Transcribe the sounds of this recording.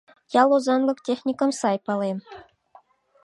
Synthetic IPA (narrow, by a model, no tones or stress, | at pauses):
jɑlˠozɑnlɤ̆ktʲexnʲikɤ̆msɑjpɑlem